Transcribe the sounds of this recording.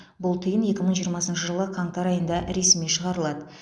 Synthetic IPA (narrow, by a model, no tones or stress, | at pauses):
bʊlˠt̪ʰəjənje̞kʲɪməɴʒijəɾmɑsənʃəʒəlˠəqʰɑɴt̪ɑɾɑjənd̪ɑʔɾe̞smiʃəʁɑɾəlˠɑd̪ə